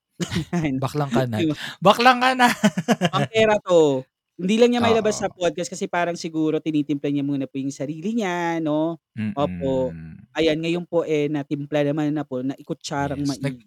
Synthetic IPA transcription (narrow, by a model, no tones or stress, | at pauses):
anbɐklɐŋkɐnabɐklɐŋkɐnaɐpɛːɾɐt̪o | hɪnd̪iːlɐŋɲamɐjlɐbasːɐpod̪̚kɐskɐsɛpaːɾɐŋsɪɡuːɾo̞t̪ɪniːt̪ɪmplɐɲɐmuːnɐpʊjʊŋsɐɾiːlɪɲano̞ | ʔoːp̚o̞ʔɐjanŋɐjo̞npo̞ʔɛnɐt̪ɪmplanɐmanːɐpo̞nɐʔɪkʊt͡ʃaːɾɐŋmɐʔ